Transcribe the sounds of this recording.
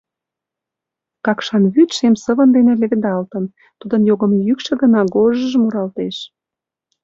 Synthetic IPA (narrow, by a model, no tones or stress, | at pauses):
kɑkʃɑnβyt̪ʃemsə̆βənd̪enĕlĕβɘ̆d̪ɑlt̪ən | t̪ud̪ənjoɣə̆mjykʃĕɡənɑɡoʒəʒəmuɾɑlt̪eʃ